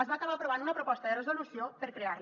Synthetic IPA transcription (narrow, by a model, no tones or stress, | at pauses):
zβaːkaβapɾoβand̪unɐpɾopɔst̪əðerezolusjopeɾkɾeaɾ